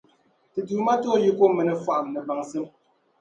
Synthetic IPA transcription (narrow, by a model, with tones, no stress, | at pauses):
ti˨tu˨˦ma˦to˦˨˦ji˦ko˦mɛ˨nɛ˨fwa˨ʔmnɛ˨ba˨ŋse˦m